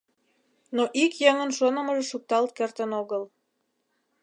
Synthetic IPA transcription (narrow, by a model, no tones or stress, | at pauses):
noʔikjeŋənʃonə̆məʒeʃuk̚t̪ɑlt̪̚kert̪ənoɣəl